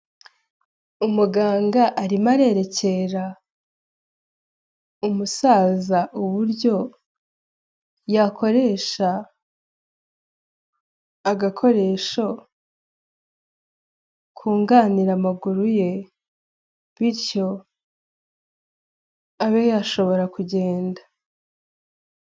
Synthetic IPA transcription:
umuɡaːŋɡaʔːɾimaɾe̞ɾe̞ce̞ɾa | umusaːzaʔuβuɾjo̞ | jakʰo̞ɾe̞ːʃa | aɡakʰo̞ɾe̞ʃo̞ | kʰuːŋɡaːniɾamaɡuɾuje̞ | βiɾco̞ | aβejaʃo̞βo̞ɾakuɟe̞ːnda

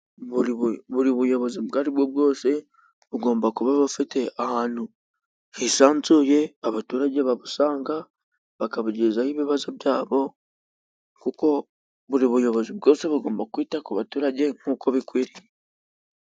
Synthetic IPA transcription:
βuiβuɾiβujo̞βo̞zibɡaːɾibwobɡo̞ːse̞ | βuɡo̞ːmbakuβaβafite̞ahaːnhu | hiʃaːnzuje̞aβatuːɾaɟe̞βaβusaːŋɡa | βakaβuɟizahiβiβazobɟaːβo̞ | kuko̞ | βuɾiβujo̞βo̞zibɡo̞ːse̞βuɡo̞ːmbakwiːtakuβatuːɾaɟe̞ŋ̥uːko̞βikwiːɾije

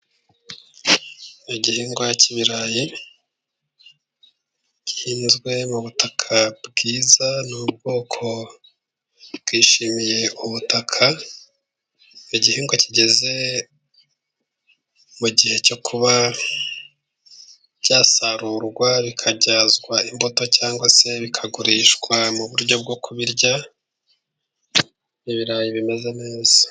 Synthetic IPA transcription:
iɟihiːŋɡwajaciβiɾaːji | ci̥hiːnzɡwe̞muβutʰakʰabɡiːzanub̚ɡo̞ːkʰo̞ | bɡiːʃimije̞ʔuβutʰakʰa | iɟihiːŋɡwaciɟe̞ze̞ | muɟihe̞co̞kʰuβa | bɟ̥aːsaɾuɾɡwaβikʰaɟaːzɡwaimbo̞to̞caːŋɡwase̞βikʰaɡuɾiːʃkwamuβuɾɟo̞b̚ɡokʰuβiɾɟa | niβiɾaːjiβime̞ze̞ne̞ːz̥a

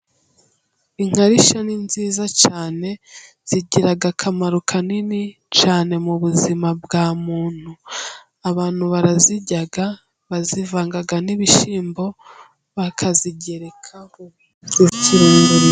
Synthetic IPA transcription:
iŋ̥haɾiʃaninziːzat͡ʃaːne̞ | z̥iɟiɾaɡakʰamaɾukʰanini | t͡ʃaːne̞muβuzimabɡaːmuːn̥hu | aβaːn̥huβaɾaziɟaɡa | βazivaːŋɡaɡaniβiʃiːmbo̞ | βakʰaziɟe̞ɾe̞kʰa | ɾuciɾuːŋɡo

